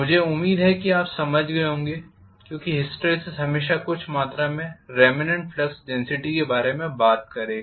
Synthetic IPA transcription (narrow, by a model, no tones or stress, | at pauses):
mʊd͡ʒʱeʊmːiːd̪ɦɛkiaːpsɐməd͡ʒʱɡɐeɦõːŋɡeː | kjõːkiɦɪsʈɾisɪzɦɐmeːʃakʊt͡ʃʰmaːt̪ɾamẽɾɛːmɪnẽɳʈ̚fʰlɐksɖɛ̃nsɪʈikebaːɾemẽbaːt̪̚kɐɾẽː